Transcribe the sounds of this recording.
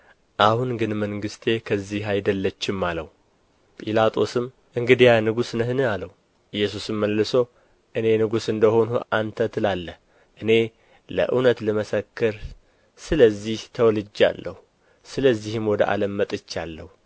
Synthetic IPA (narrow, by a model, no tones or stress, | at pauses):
ʔahunɡɨnməŋɡɨst̪ʰe̞kʰəzːiɦajd̪əlːət͡ʃːɪmːaləwu | pʼilat̪ʼo̞sɨm | ʔɨŋɡɨd̪ijanɨɡusnəhɨnɨaləwu | ʔɨjːɛs̬usɨmːəlːɨso̞ | ʔɨne̞nɨɡusɨnd̪əho̞nuʔant̪ʰət̪ʰɨlalːəh | ʔɨne̞ | lə̰ʔɨ̰wnət̪lɨməsəkːɨɾ | sɨləzːiht̪ʰəwɔlɨd͡ʒːa̰lːəhu | sɨləzːihɨmwɔd̪ə̰ʔa̰ləmːət̪ʼɨt͡ʃːalːəhu